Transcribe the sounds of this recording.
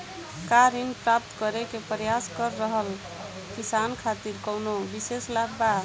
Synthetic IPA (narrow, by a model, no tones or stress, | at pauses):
kaɾinpɾap̚t̪kʌɾekepɾjaskəɾːəɦəl | kisankʰat̪iɾkəwnobiseslaɡ̚ba